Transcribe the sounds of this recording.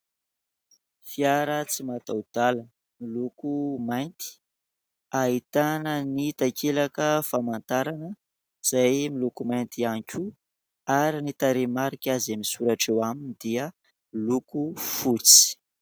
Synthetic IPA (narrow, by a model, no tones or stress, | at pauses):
fiaɾət͡simat̪awd̪̥alə | milukumajnt̪i̥ | aɦit̪anənit̪akʰelakəfamant̪aɾanə | z̥ajmilukumajnt̪iaŋkʲu | aɾinit̪aɾemaɾikʲazamisuɾaʈ͡ʂewaminid̪iə | lukufut͡si̥